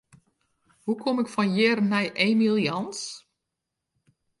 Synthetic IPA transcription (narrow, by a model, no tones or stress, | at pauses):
hukʰomɪkfɔnjɪːrənɛjʔemilˠjɔns